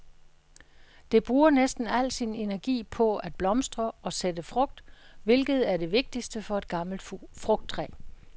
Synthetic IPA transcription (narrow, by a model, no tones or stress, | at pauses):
d̥e̝b̥ʁuːɐnesd̥n̩æl̰̥sine̝næɐɡ̥ḭːpʰɒ̽æd̥̚b̥lɒ̽msd̥ʁɐɒ̽sed̥əfʁɔ̽ɡ̥̚d̥ʋe̝lɡ̥ð̞̩ˠæɐɾ̥e̝ʋe̝ɡ̥̚d̥isd̥əfɒ̽e̝d̥̚ɡ̥ɑ̈ml̩d̥fʁɔ̽ɡ̥̚d̥ʰʁɛ̰ː